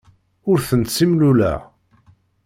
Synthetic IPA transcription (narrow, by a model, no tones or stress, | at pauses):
ʊɾθənt̪simlulæ̰